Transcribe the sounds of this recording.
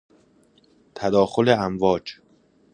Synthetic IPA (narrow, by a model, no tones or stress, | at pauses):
t̪ʰæd̪ɒːxo̞leæmvɒːd͡ʒ